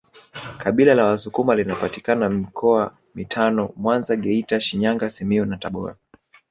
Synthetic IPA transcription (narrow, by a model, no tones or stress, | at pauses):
kʰaɓilalawasukumalinapati̥kanamikʰɔa | mitʰanɔmwanzaɡɛitaʃiɲaŋɡasimiunataɓɔ̰ɾa